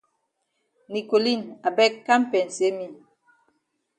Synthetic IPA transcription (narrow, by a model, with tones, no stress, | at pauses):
ni˨ko˨li˦˨na˨bɛ˦kːa˦m˦pɛ˨n̩˨se˨˦mi˦˨